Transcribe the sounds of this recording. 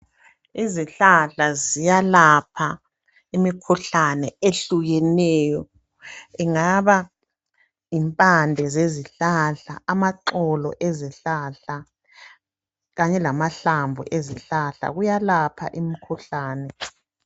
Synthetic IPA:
iziɬaɬazijalapʰa | imikʰuɬanɛeɬuɣɛnɛːjɔ | ɛŋaβa | impʼandʱɛzeziɬaɬa̰amaǁɔlɔ̰ʔeziɬaɬa | ɣaɲɛlamaɬambʱṵʔeziɬaɬa̰ɣujalapʰa̰ʔimikʰuɬaːnɛ

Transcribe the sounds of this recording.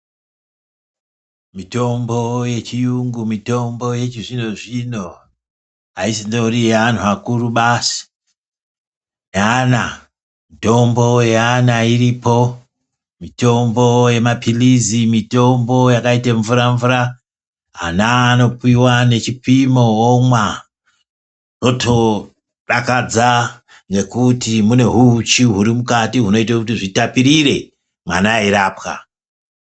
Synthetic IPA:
mito̞mbo̞je̞t͡ʃijuŋɡumito̞mbo̞je̞t͡ʃiʐino̞ʐino̞ | aisindo̞uriean̤uakuruɓasi̥ | ana | mito̞mbo̞jeanairipo̞ | mito̞mbo̞je̞mapʰilizimito̞mbo̞jakaiteɱvuɾaɱvuɾa | a̰nano̞puiwane̞t͡ʃipimoomwa | no̞tʰo̞ | ɗakad͡za | ŋɡe̞kutimune̞ɦut͡ʃiɦuɾimukatiɦuno̞itakutiʐitapiɾiɾe̞ | ma̰naiɾaːpka̰

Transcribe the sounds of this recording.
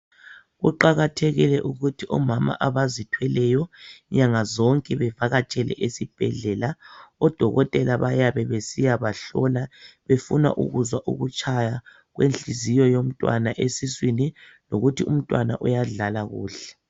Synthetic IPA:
ɣuǃaɣatʰɛɣilɛʔuɣutʰiʔɔmama̰ʔaβazitʰwɛlɛjɔɲaŋazɔŋkʼɛβɛvaɣat͡ʃʼɛlɛ̰ʔesib̥ʱɛɮɛlaɔd̥ʱɔɣɔtʼɛlaβajaβɛβesijaβaɬɔlaβefuna̰ʔṵɣuzwaʔṵɣut͡ʃʼʰaja | ɣwenɬizijɔjom̩tʼwa̰naʔesiswini | loɣutʰium̩tʼwana̰ʔujaɮalaɣṵːɬɛ̥

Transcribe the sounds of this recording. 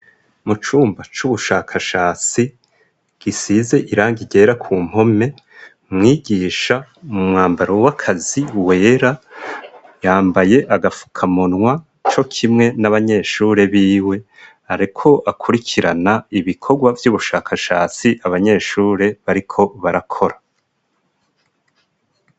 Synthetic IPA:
mut͡ʃuːmbat͡ʃuβuʃaːkʰaʃaːt͡si | ɡ̥isiːze̞ʔiɾaːŋɡiɟe̞ːɾakʰuːm̥ho̞me̞ | mŋiːɡiːʃamumŋaːmbaɾo̞wakʰaziwe̞ːɾa | jaːmbaje̞ʔaɡafu̥kʰamonŋwa | t͡ʃo̞kʰimŋe̞naβaɲe̞ʃuːɾe̞βiːwe̞ | haɾikʰo̞ʔakʰuɾikʰiɾanaiβikʰo̞ɡwavjuːβuʃaːkʰaʃaːt͡siʔaβaɲe̞ːʃuːɾe̞βaɾikʰo̞βaɾakʰo̞ɾa

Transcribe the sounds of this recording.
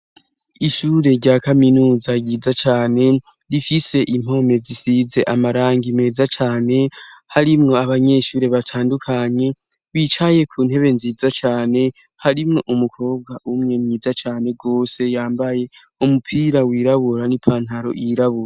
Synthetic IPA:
iʃuːɾe̞ɾɟaːkaminuːzajizat͡ʃaːne̞ | ɾifise̞ʔim̥ho̞me̞zisize̞ʔamaɾaːŋɡime̞ːzat͡ʃaːne̞haɾimŋo̞aβaɲe̞ʃuːɾe̞βatʰaːndukʰaɲe̞ | wit͡ʃaje̞kʰuːnhe̞βe̞nziːzat͡ʃaːne̞ | haɾimŋo̞ʔumukʰo̞ːb̚ɡaʔumŋe̞mɲiːzat͡ʃaːne̞ɡo̞ːse̞jaːmbaje̞ | umupʰiːɾawiːɾaβuɾanipʰaːn̥haɾo̞̰ʔiɾaβuɾa

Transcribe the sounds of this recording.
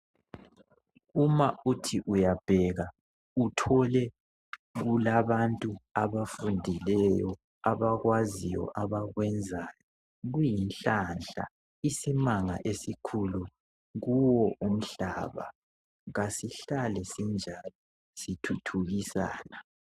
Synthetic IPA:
umaʔutʰiʔujab̥ʱɛɣa | utʰɔlɛ | ɣulaβantʼuaβafundʱilɛjɔ | aβaɣwazijɔ̰ʔaβaɣwɛnd͡zʱajɔ | ɣujinɬanɬa̰ | isimaŋaʔesikʰulu | ɣuwɔʔum̩ɬaːβa̰ | ɣasiɬalɛsind͡ʒʱalɔ | sitʰutʰuɣisa̰ːna

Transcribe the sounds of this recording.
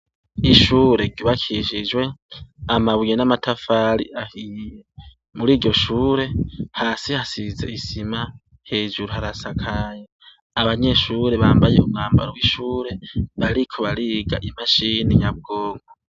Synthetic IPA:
iʃuːɾe̞ɟɟuβakʰiʃid͡ʒwe̞amaβujenamatʰafaɾḭʔahije | muɾiːɟo̞ʃuːɾe̞haːsihasize̞̰isima | he̞ːʒuɾohaɾasakʰaje | aβaɲe̞ʃuːɾe̞βaːmbajeumŋaːmba̰ɾowiʃuːɾe̞βaɾikʰoβaɾiːɡa̰ʔimaʃiniɲaβ̚ɡoːŋɡo

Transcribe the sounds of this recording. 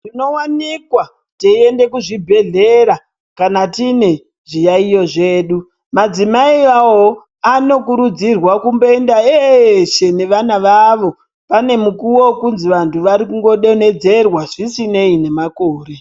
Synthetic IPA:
rino̞wanikwa | teie̞nde̞kuʐibʱe̞ɮe̞ɾa | kanatine̞ | ʐijaijo̞ʐeːɗu | mad͡zimaiawo | ano̞kuɾud͡zirwakumboendaeʃe̞ne̞ʋanaʋaʋo̞ | pane̞mukuwo̞kunziʋantʰuʋaɾikuŋɡo̞ɗe̞ne̞d͡ze̞rwaʐisine̞ine̞makoːre̞

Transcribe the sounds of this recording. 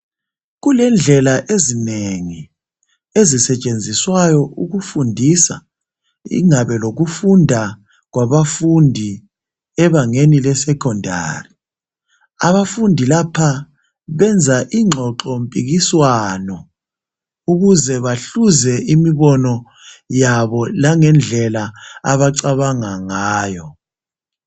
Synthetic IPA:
ɣulɛnd͡ɮʱɛlaʔezineŋi | ezisɛt͡ʃʼend͡zʱiswajɔʔuɣufundʱisa | ḭŋaβɛloɣufundʱa | ɣwaβafundʱi | ɛβaŋenilɛsɛkʰɔndʱa̰ːri | aβafundʱilapʰa | βɛnd͡zʱaʔiŋ͡ǁʱɔǁɔmpʼiɣiswanɔ | uɣuzɛβaɬuzɛimiβɔnɔ | jaβɔlaŋɛnd͡ɮʱɛlaːβaǀaβaŋaŋaːjɔ

